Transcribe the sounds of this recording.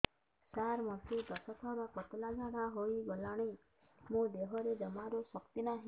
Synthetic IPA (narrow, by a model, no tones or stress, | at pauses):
saɾmɔsid̪əsət̪ʰaɾakɔt̪laɡʱaɽaɦoiɡəlaɽ̃i | mõd̪eɦɔɾed͡ʒəmaɾoʃəkt̪inaɦ